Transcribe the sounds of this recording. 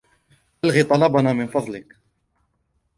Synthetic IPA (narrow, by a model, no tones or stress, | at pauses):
ʔalɣit̪ˤɑlɑbɑnamɪnfɑðˤlɪk